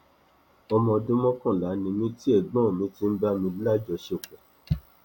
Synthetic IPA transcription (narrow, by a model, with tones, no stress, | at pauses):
ɔ˧mɔ̃˧dõ˦mɔ̃˦kɔ̃˦˨la˨˦nĩ˧mĩ˧ti˦e˦˨ɡ͡bɔ̃˦˨mĩ˧˦ti˨˦n̩˦ba˦mĩ˧lla˦d͡ʒɔ˧ʃe˦˨o˨k͡pɛ˨